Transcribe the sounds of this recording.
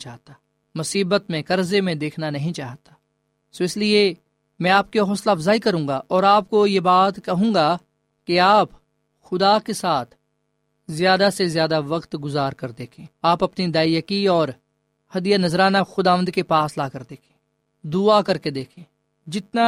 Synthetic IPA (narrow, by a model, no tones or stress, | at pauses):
t͡ʃaːɦt̪a | mʊsiːbət̪mẽkɐɾzemẽd̪eːkʰnanɐɦĩt͡ʃaːɦt̪ḁ | soɪslie | mɛ̃aːp̚keɦɔːslafzaːikɐɾũːŋɡaʔɔːɾaːp̚kojebaːt̪kɐɦũːɡa | keaːp | xʊd̪akesaːt̪ʰ | zjaːd̪asezjaːd̪aʋɐqt̪ɡʊzaːɾkɐɾd̪eːkʰẽːaːpɐpnid̪aːjəkiɔːɾ | hɐd̪ijanɐzɾaːnaxʊd̪aːʋə̃nd̪kepaːslaːkəɾd̪eːkʰẽ̥ː | d̪ʊakɐɾked̪eːkʰẽː | d͡ʒɪt̪na